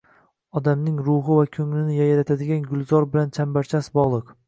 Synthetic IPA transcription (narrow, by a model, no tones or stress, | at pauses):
ɒd̪amnɪŋɾʊɦɨvakʲʰɵŋlɪnɪjajɾat̪ʰad̪ɪɡʲanɡʊlˠzɒɾbɪlant͡ʃʰambaɾt͡ʃʰasbɒʁlˠɨq